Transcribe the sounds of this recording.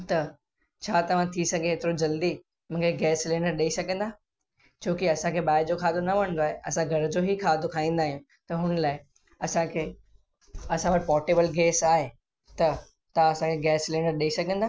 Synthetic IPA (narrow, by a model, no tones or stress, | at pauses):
t̪ɐ | t͡ɕʰaːt̪ɐʋ̤ãt̪ʰisɐɡʱeɦeːt̪ɪɾod͡ʑɐld̪i | mʊ̃ɦkʰeɡɛːslẽːɳɖəɾɗɐisɐɡʱə̃nd̪aː | t͡ɕʰoːkiɐsãkʰeːɓaːɪd͡ʑokʰaːd̪ʱonɐʋɐɽ̃nd̪oaːɦeɐsãɡʱɐɾd͡ʑoːɦikʰaːd̪ʱokʰaːĩːnd̪aːɦijũ | t̪ɐɦʊnəlaːɪ | ɐsãkʰeː | ɐsãʋɐʈpɔːʈeːbəlɡɛːsaːɦe | t̪ɐ | t̪ɐɐsãkʰeɡɛːslẽːɳɖəɾɗɐisɐɡʱə̃nd̪aː